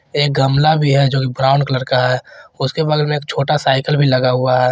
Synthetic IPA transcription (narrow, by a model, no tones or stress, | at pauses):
eːk̚ɡɐmlabʱiɦɛd͡ʒoːkibɾaːʊɳɖkələɾkaɦɛʊskebɐɡlmẽeːk̚t͡ʃʰoːʈasaːɪkəlbʱilɐɡaɦʊaɦɛː